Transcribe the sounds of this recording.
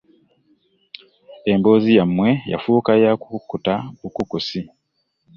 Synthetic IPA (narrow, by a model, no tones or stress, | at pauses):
e̞mbo̞ːzijamːwe̞ja̰fuːkajaku̥kukːutaukukusi